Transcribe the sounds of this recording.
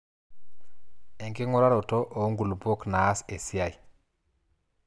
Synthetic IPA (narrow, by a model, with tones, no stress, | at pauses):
e˨ŋke˦ŋɔ˦ɾa˦ɾo˨to˦ʔo˨˦ŋɡu˨lbo˦knaː˨˦se˨si˦a˨j